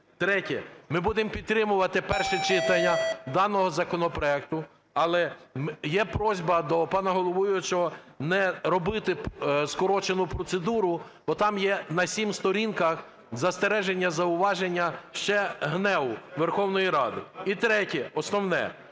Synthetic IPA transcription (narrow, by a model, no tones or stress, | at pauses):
t̪ɾɛtʲɛmɪbud̪empʲid̪t̪ːɾɪmʊʋɐt̪ɪpɛrʃɛt͡ʃɪt̪ɐnʲːɐd̪ɑnɔɦɔzɐkɔnɔpɾɔɛkt̪ʊ | ɐlˠɛmjɛpɾɔzʲbɐd̪ɔpɑnɐɦɔlˠɔʋɔjʊt͡ʃɔnɛɾɔbɪt̪ɪskɔɾɔt͡ʃenʊpɾɔt̪sed̪uɾʊ | b̥ɔt̪ɑmjɛnɐsʲimst̪ɔɾʲinkɐx | zɐst̪eɾɛʒenʲːɐzɐʊʋɑʒenʲːɐʃt͡ʃɛɦnɛwʊʋerxɔwnɔjiɾɑd̪ɪit̪ɾɛtʲɛɔsnɔwnɛ̰